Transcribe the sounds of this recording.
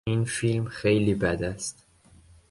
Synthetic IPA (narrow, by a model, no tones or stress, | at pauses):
infilmxejliːbæd̪æst̪